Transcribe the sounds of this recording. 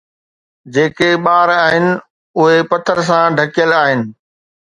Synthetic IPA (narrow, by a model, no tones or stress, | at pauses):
d͡ʑeːkeɓaːɾaːɦɪnɪ̆ | ʊɦepɐt̪ʰəɾs̬ãɖʱɐkijəlaːɦɪnɪ̆